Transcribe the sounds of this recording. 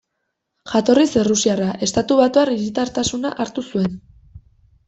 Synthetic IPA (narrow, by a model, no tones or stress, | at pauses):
ʝat̪o̞riserusiaraʔe̞st̪at̪uβat̪uariɾit̪aɾt̪asunaʔaɾt̪usue̞n